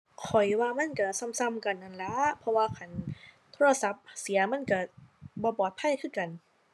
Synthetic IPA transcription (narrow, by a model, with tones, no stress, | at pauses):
kʰɔ˨˩jwaː˧ma˧˥˨nka˧˩sa˧˨msa˧mka˨˩nʔa˧˩nla˧˦˥pʰɔ˧waː˧kʰa˧˩n | t̪ʰoː˧ɾa˧sa˧˦p̚si˨˩˦ɐma˧˥˨nka˧˩bɔː˧bɔː˨˩t̪̚pʰa˧˥˨jkʰɯː˥˨nka˨˩n